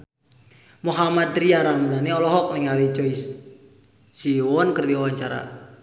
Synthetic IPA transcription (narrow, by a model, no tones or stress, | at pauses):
muɦamad̪ɾiaɾamlaniɔlɔɦɔk̚nɪŋalit͡ʃɔisː | iɔnkərdiɔwaɲt͡ʃaɾa̰